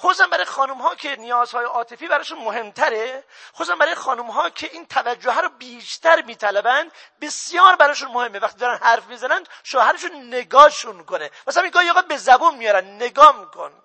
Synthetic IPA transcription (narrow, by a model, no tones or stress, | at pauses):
xossæmbæɾɒːjexɒːnumɦɒːkʰenijɒːzhɒːjeʔɒːt̪ʰe̞fiːbæɾɒːeʃunmoɦe̞mt̪ʰæɾexosæmbæɾɔːjexɒːnumɦɒːkʰeʔiːnt̪ʰævæd͡ʒːoɦæːɾobiːʃt̪æɾmiːt̪ʰælæbænd̪besjɒːɾbæɾɔːeʃ̬unmohemːevæxt̪iːd̪ɾænhæɾfmiːzænænd̪̥ʃoːhæɾeʃunːeɡɒːʃunkonepæsæmiŋɡɒːhiɒːɣæbezæbunmijɒːɾænd̪neɡɒːmikʰon